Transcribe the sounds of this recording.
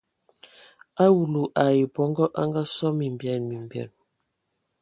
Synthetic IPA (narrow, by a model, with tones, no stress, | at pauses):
a˦wu˨lu˨ʔa˨ji˨pɔ˨˦ŋɡɔ˦ʔa˦ŋɡa˦sɔ˦mi˨m˨bjɛ˨lmi˨m˨bjɛ̰˨n